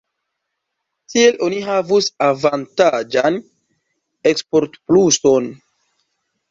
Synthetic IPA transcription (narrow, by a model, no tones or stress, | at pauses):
tie̞lʔo̞niɦavusavantad͡ʒan | ekspo̞ɾtpluso̞n